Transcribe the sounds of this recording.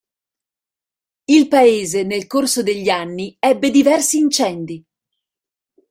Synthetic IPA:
ilpaeːzenelkorsod̪eʎːianːiɛbːed̪ivɛrsiːnt͡ʃɛnd̪i

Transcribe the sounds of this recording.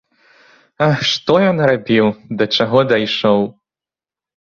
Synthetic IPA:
aʂt̪ɔjɔnɾabʲiwd̪ɐt͡ʂaɣɔd̪ajʂɔw

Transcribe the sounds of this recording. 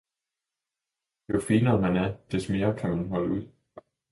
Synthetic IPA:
jofiːnɐːmænæɐd̥esme̝ːɐkʰæmænɦɒ̽ləuð̰ˠ

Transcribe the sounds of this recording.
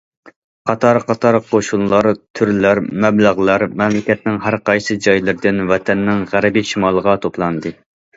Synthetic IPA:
qʰɑt̪ʰɑɾqʰɑt̪ʰɑɾqʰoʃunlˠɑɾt̪ʰyɾlæɾmɛblæʁlˠɑɾmɛmlɪkʲɛt̪̚nɪŋɦæɾqɑjsɨd͡ʒɑjlˠɨɾd̪ɪnwɛt̪ʰɛnːɪŋʁæɾɪbiʃimɑlˠəʁɑt̪ʰoplˠɑnd̪ɨ

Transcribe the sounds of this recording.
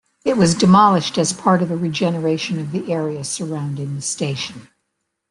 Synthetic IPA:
ɨt̚wʌzdɨmɑlˠəʃtɨz̥pʰɑɹɾʌvðɨɹid͡ʒɛnə˞eɪʃɨ̃nʌvðiʔɛɹiɨsə˞ãʊ̃ndɪ̃ŋðɨsteɪʃɨ̃n̩

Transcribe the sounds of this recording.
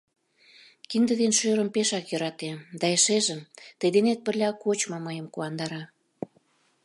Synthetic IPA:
kind̪ə̆ðenʃøɾə̆mpeʃɑkjø̆ɾɑt̪ed̪ɑeʃeʒəmt̪ə̆jd̪enet̪̚pə̆rlʲɑkot͡ɕmɑməjəmkuɑnd̪ɑɾɑ

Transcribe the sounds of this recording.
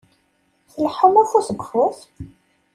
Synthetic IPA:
θəlħumæxusəɡʷxʊθ

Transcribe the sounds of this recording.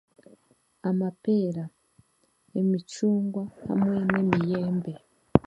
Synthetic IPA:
amape̞ːɾa | emit͡ʃuːŋɡwaha̰mŋwe̞nemije̞ːmbe̞

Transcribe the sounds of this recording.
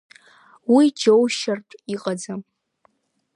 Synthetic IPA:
wid͡ʒowʃartʼiqʼad͡zam

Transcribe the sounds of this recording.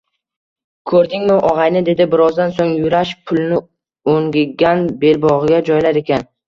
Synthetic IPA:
kʰɵɾd̪ɪŋmɪʔɒʁɑjnɪd̪e̞d̪ɪbɪɾɒzd̪ansoŋjʊɾaʃpʰʊlˠnɪ | oŋɡʲɪɡʲanbe̞lbɒʁɡʲad͡ʒɒjlaɾe̞kʲʰan

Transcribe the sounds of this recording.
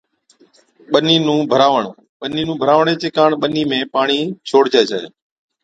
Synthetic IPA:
ɓəniːnũːbʱəɾaːʋəɳoː | ɓəniːnũːbʱəɾaːʋɳeːt͡ʃeːkaːɳɓəniːmẽːpaːɳiːt͡ʃʰoːɽd͡ʒaːd͡ʒa̰ːe

